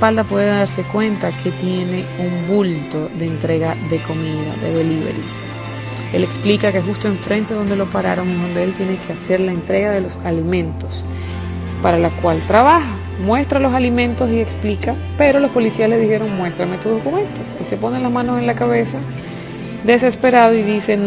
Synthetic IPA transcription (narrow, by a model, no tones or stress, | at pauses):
espald̪apwe̞ðeðaɾse̞kwe̞nt̪akʰe̞t̪je̞ne̞umbult̪o̞ðe̞ːnt̪ɾe̞ɣaðe̞ko̞miða̰ðḛðeliβḛɾḭ | e̞leksplikakeɦust̪oe̞ɱfɾʔe̞nt̪eðo̞nd̪e̞lopaɾa̰ɾo̞ŋeðo̞nd̪eelt̪je̞ne̞kʰe̞ase̞ɾlaent̪ɾe̞ɣaðe̞losalimẽ̞nt̪o̞s | paɾalakwalt̪ɾaβaxa | mwe̞st̪ɾalo̞s̬alimẽ̞nt̪o̞sie̞ksplika | pe̞ɾo̞lo̞spo̞lisialeðixe̞ɾo̞ŋmwe̞st̪ɾamet̪uzðo̞kumẽ̞nt̪o̞skese̞po̞nenlazmãno̞se̞nlakaβe̞sa | d̪e̞se̞spe̞ɾað̞o̞iðise̞n